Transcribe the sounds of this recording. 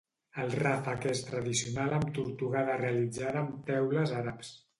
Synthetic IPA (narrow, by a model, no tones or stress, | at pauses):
əlˠrafakest̪ɾəðisiunaləmt̪uɾt̪uɣaðərealid͡zaðəmt̪ɛwləzaɾaps